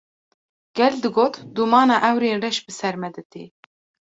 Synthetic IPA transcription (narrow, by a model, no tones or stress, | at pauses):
ɡ̥ɛld̪ɨɡoːt̪d̪umɑːnɑːʔɛwɾeːnrɛʃbɨsɛɾmɛd̪ɨt̪ḭː